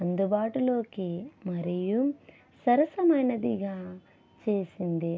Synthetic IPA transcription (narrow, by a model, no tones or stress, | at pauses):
ɐnd̪ubaːʈulo̞ːkimɐɾiju | sɐɾɐsɐmɐjnɐd̪iɡaː | t͡ʃe̞ːsind̪i